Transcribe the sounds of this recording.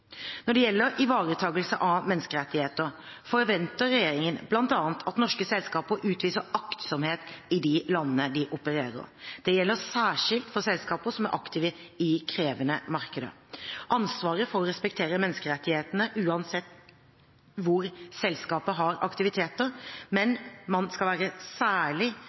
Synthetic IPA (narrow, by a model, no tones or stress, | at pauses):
nɔɖɛjɛlːəɾɪʋɑːɾət̪ʰɑːɡəlsəʔɑmɛnskəɾɛt̪ːɪheːt̪əɾ | fɔɾʋɛnt̪əɾɛjeːɾɪŋənblɑnt̪ɑːənt̪ʰɑt̪nɔʂkəsɛlskɑːpəʔʉːt̪ʋiːsəɑkt̪sɔmheːt̪ɪd̪ɪlɑnːənəd̪ɪʔʊpəɾeːɾə̰ɾd̪̥ɛjɛlːəsæːʂɪlt̪fɔsɛlskɑːpəsɔmæɾʔɑ̰kt̪ʰɪːʋəɪkʰɾeːʋənəmɑɾkəd̪ə̰ | ʔɑnsʋɑːɾəfɔɾɔɾɛspɛkt̪ʰeːɾəmɛnːəskəɾɛt̪ːɪheːt̪ənəʔʉːɑnsɛt̪ː | ʋʊɾsɛlskɑːpəɦɑɾɑ̰kt̪ɪʋɪt̪ʰeːt̪əɾmɛnmɑnskɑlʋæːɾəsæːɭɪ